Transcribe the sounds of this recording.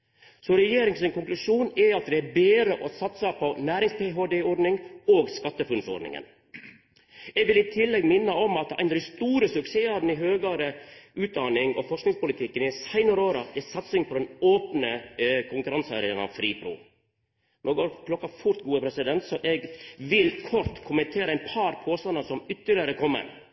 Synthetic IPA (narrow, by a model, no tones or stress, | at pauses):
sɔɾɛjeːɾɪŋsɪŋkʊŋklʉʂuːnɛɑt̪d̪ɛæbeːɾəʔɔsɑt̪sɑpʰɔnæːɾɪŋspʰeɦoːd̪eːɔɾɖnɪŋoːɡskɑt̪ːəfʉnsɔ̰ɾɖ̪nɪ̰ŋə̰n | ɛɡʋɪlɪt̪ʰɪlːɛɡmɪnːəɔmɑt̪̚æ̰ɪnɾst̪uːɾəsʉkseːɑɾn̩ɪɦøːɡɑɾəʉːt̪̚d̪ɑːnɪŋɔ̰fɔʂknɪŋspʊlɪt̪ʰɪkːənɪsæɪnəɾoːɾɑɛsɑt̪sɪŋpʰɔd̪ɛnoːpnəkʰʊŋkʉɾɑnsɑ̰ːɾɪənɑ̰ʋfɾiːpʰɾṵː | noɡoːɾklɔkːɑfʊɾt̪ɡuːəpʰɾɛsɪd̪ɛnt̪sɔʔɛɡʋɪlkʰɔɾt̪kʰʊmənt̪ʰeːɾəæɪnpʰɑɾpʰoːst̪ɑnəsɔmʏt̪ːəɭɪəɾəkʰɔmːə̰n